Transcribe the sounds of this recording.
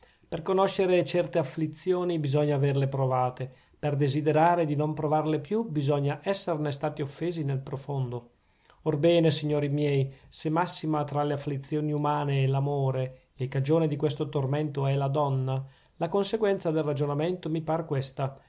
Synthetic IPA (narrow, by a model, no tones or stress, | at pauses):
perkonoʃːeɾet͡ʃɛrt̪eafːlit̪sːjoːnibizɔɲːaːverlepɾovaːt̪e | perd̪ezid̪eɾaːɾed̪inompɾovarlepjubizɔɲːaʔɛsːernest̪aːt̪iofːeːzinelpɾofond̪o | orbɛːnesiɲːoːɾimjɛjsemasːimat̪ɾaleafːlit̪sːjoːniumaːneːlamoːɾe | ekːad͡ʒoːnid̪ikwest̪ot̪ormɛnt̪oɛlad̪ɔnːa | lakonseɡwɛnt̪sad̪elrad͡ʒonament̪omipaːɾekwest̪a